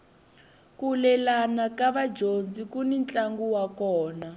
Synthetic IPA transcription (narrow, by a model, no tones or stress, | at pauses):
kulɛlanakaβad͡ʒond͡zikunint͡ɬʼaŋɡuwakɔːna